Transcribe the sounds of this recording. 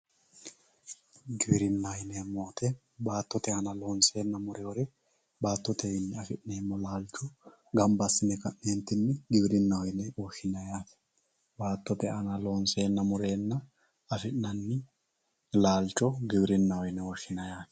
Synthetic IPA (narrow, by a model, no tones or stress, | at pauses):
ɡɪbɾɪnːɐjɪneːmːoːt̪ʰɛ | baːt̪ːɔt̪ɛɐnɐloːnse̞ːnːɐmʊɾɛwɔɾɛ | baːt̪ːɔt̪ɛjɪnːɪɐfɪʔneːmːɔlaːlt͡ʃʼɔ | ɡɐmbɐsːɪnɛkɐʔeːnt̪ːɪnːɪɡɪbɾɪnːɐwɔjnɛwɔʃɪnɐjaːt̪ɛ̥ | baːt̪ːɔt̪ɛɐnɐloːnse̞ːnːɐmʊɾe̞ːnːɐ | ɐfɪʔnɐnːɪ | laːlt͡ʃʼɔɡɪbɪɾɪnːɐwɔjɪnɛwɔʃɪnɐjaːt̪ɛ̥